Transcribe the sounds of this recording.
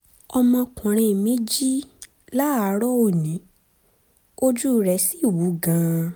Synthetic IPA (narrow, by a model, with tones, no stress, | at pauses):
ɔ˧mɔ̃˧kɔ̃˨ɾ̃ĩ˧˨mĩ˨˦d͡ʒi˦ | la˦a˨˦ɾɔ˦o˦˨nĩ˨˦ | o˦d͡ʒu˦˨ɾɛ˨˦si˦˨wu˨˦ɡã˧